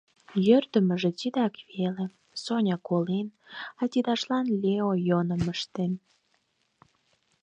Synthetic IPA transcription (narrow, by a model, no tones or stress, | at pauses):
jørd̪ə̆mə̆ʒĕt͡ɕid̪ɑkvele | sonʲɑkolen | ɑtʲid̪ɑʃlɑnlʲeojonəməʃt̪en